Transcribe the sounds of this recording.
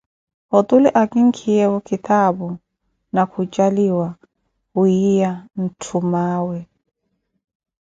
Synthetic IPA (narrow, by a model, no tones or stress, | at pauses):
ɔt̪ʼʊlɪʔakʼiŋ̩kʰiɛɔkʰit̪ʰabu | nakʰut͡ʃʼaliwa | huijan̩tʰumaːwɛ